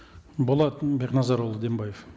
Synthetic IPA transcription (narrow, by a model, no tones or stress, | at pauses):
bolˠɑt̪beqnɑzɑɾolˠəd̪e̞mbɑjef